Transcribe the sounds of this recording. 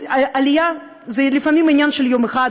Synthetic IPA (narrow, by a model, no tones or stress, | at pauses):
ʔɐlʲja | zɐjd̪lʲifɐmʲimɐnʲanʃɨlʲjomɨxa